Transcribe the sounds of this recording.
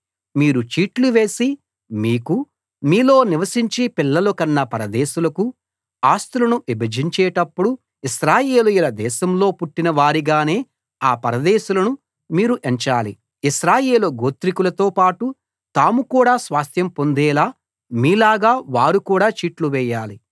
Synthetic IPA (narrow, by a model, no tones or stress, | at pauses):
miːɾut͡ʃiːʈluʋe̞ːsi | miːku | miːlo̞ːniʋɐsiɲt͡ʃipilːɐlokɐnːɐpɐɾɐd̪ɛːʃulɐku | aːst̪ulɐnuʋibɐd͡ʒiɲt͡ʃɛːʈɐpːuɽu | iʃɾaːjeːlujulɐd̪ɛːʃɐmlo̞ːpuʈːinɐʋaːɾiɡaːne̞ː | aːpɐɾɐd̪ɛːʃulɐnu | miːɾuʔeɲt͡ʃaːli | iʃɾaːjeːlɐɡoːt̪ɾikulɐt̪o̞ːpaːʈu | t̪aːmukuːɽaːsʋaːst̪jɐmpo̞nd̪ɛːlaː | miːlaːɡaːʋaːɾukuːɽaːt͡ʃiːʈluʋɛːjaːli